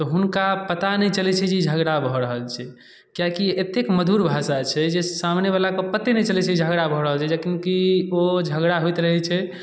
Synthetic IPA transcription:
t̪ɔɦunkapət̪anɛjt͡ʃəlɛt͡ʃʰɛd͡ʒeid͡ʒʱəɡɽabʱɔɾəɦəlt͡ʃʰɛ | kjakiet̪ekməd̪ʱuɾbʱaʃat͡ʃʰɛd͡ʒesamneβalakepət̪ːinɛt͡ʃəlɛt͡ʃʰɛid͡ʒʱəɡɽabʱɔɾəɦəlt͡ʃʰɛd͡ʒakimkiod͡ʒʱəɡɽaɦojt̪ɾəɦɛt͡ʃʰɛ

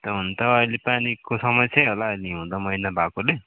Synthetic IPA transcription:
t̪ʌɦunt̪ʌʌjlepanikosʌmʌsʰjaɦolaʌjliɦũd̪ʌmʌjnabʱakole

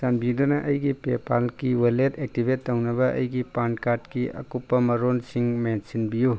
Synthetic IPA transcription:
sanbid̪onɐʔɐjɡipepʰalkiwɐletʰek̚tibʱetːɐwnɐbɐʔɐ̰jɡipankaɾtkiɐ̰kupːɐmɐɾonsiŋmensinbiju

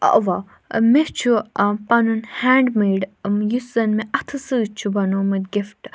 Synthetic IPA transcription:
ɐ̰ʋa | meht͡ʃʰupɐnunhaːɳɖmeːɖjusɐnmeʔɐt̪ʰɨsɨt͡ʃʰubɐnomɐd̪ɡifʈ

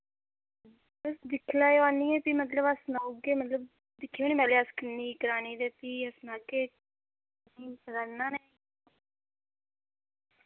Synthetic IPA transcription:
əsd̪ɪkʰlaːjoaːniːɛːp̪imət̪ləbəsnaoɡeːmət̪ləb̚ | d̪ɪkʰːioːniːmɛːleːəskənːiːkəɾaːniːd̪eːt̪iːəsnaːɡeː | niːpəɾaːnãːne

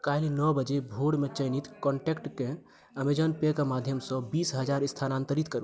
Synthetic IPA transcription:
kailinɔbəd͡ʒebʱoɽmet͡ʃəjnit̪kɔɳʈekʈkẽ | əmed͡ʒənpekemad̪ʱjəmsɔ̃bisɦəd͡ʒaɾist̪ʰanant̪əɾit̪kəɾu

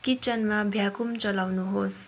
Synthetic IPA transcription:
kit͡sʌnmabʱjakumt͡sʌlawnuɦos

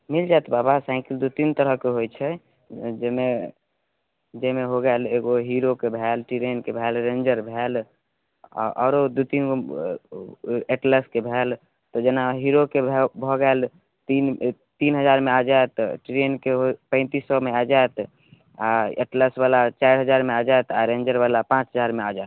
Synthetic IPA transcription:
mild͡ʒaet̪babasãɪkild̪ut̪int̪əɾəɦkeɦojt͡ʃʰɛ | d͡ʒeme | d͡ʒemeɦoɡɛleɡoɦiɾokebʱɛlʈiɾenkebʱɛlɾend͡ʒəɾbʱɛl̰ | ʔɔ̰ɾod̪ut̪inko | eʈləskebʱɛl | t̪ɔd͡ʒenaɦiɾokebʱbʱɔɡəel | t̪in | t̪inɦəd͡ʒaɾmead͡ʒaet̪ʈɾenkeɦopə̃ɪ̃t̪isɔmead͡ʒajt̪ | aḛʈləsbalat͡ʃaiɾɦəd͡ʒaɾmead͡ʒaet̪aɾẽnd͡ʒəɾbalapãt͡ʃɦəd͡ʒaɾmead͡ʒa

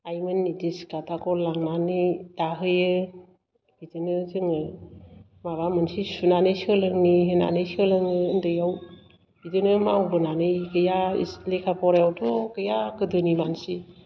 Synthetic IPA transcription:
ajmɯnːidiskatʰakɔlaŋnanidaɦɯjɯ | bidɯnɯzɯŋɯ | mabamɯnsisunanɯsɯlɯŋniɦɯna̰nɯjsəlɯŋɯːndɯjaw | bidɯnɯmawbɯnanɯjkɯjaḭslekʰapʰɔɾajawtɔkɯjakɯdɯnimansi

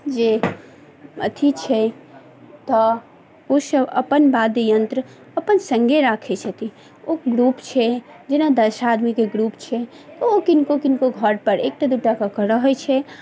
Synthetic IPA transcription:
d͡ʒe | ət̪ʰit͡ʃʰɛ | t̪ɔ | osəbə̰pənbad̪ejənt̪ɾə | əpənsə̃ŋɡʱeɾakʰet͡ʃʰɛt̪i | oɡɾupt͡ʃʰɛ | d͡ʒenad̪əʃad̪mikeɡɾupt͡ʃʰɛ | t̪ɔokinkokinkoɡʱəɾpəɾek̚ʈad̪uʈakəkəɾəɦəjt͡ʃʰɛ

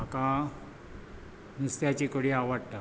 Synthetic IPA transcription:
maka | nust̪jat͡ɕikoɽiaʋaɽt̪a

